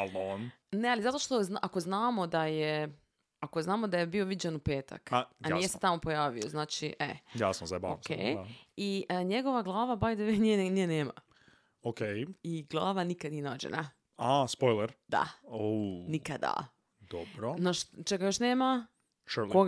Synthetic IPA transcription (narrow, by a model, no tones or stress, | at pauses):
alon | nealizat̪o̞ʃt̪o̞zʔako̞znaːmo̞d̪aje | akoznaːmod̪ajebio̞ʋid͡ʑenupeːt̪a̰kaanijeset̪amo̞po̞jaːʋioznaːt͡ʃiʔḛjasozaba̰oskʰḛjiʔəɲeɡo̞ʋaɡlˠaːʋabajd̪eʋenienijeneːma̰ | okejiɡlˠaːʋanikad̪nijenad͡ʒḛna̰ | aspojleɾd̪̥a̰onikad̪a̰ | d̪̥obɾonaʃt͡ʃeɡajoʃneːma | ʃulko